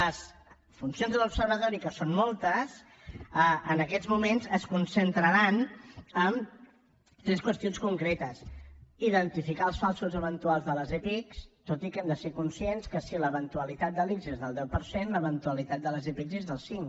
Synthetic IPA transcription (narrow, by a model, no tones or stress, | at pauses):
əs | funsionzðəlupsəɾβət̪ɔɾikəsonmɔlˠt̪əs | əʔənəkɛzmumenzəskunsənt̪ɾəɾanəm | t̪ɾɛskwəst̪ionskuŋkɾɛt̪əsiðənt̪ifikaəlˠsfalˠsuzəβənt̪ualˠzðələzɛpikst̪ot̪ikɛmd̪əsekunsienskəsiləβənt̪uəlit̪at̪̚d̪əlikzezðəlˠd̪ɛwpəɾsenləβənt̪uəlit̪at̪̚d̪ələzɛpikzezðəlˠsiŋ